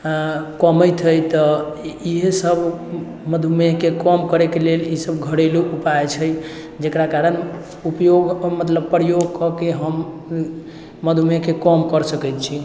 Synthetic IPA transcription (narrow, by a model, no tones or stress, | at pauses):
kəməjt̪ʰəjt̪ɔiɦsəbʱ | məd̪ʱumekekɔmkəɾekelelisəbɡʱəɽeluʔupaet͡ʃʰəj | d͡ʒekɾakaɾən | upjoɡmət̪ləb̚pːɾəjoɡkɔkeɦəm | əd̪ʱumekekɔmkəɾsəkɛjt̪t͡ʃʰi